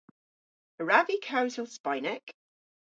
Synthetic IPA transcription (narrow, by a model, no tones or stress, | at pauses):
əɹavikʰaʊzəlˠspaɪnək